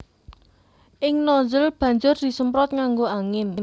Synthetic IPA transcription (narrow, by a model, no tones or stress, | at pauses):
ʔɪŋnɔzəlb̥a̤ɲd͡ʒʊrd̪̥i̤səmpɾɔt̪̚ŋaŋɡoaŋɪn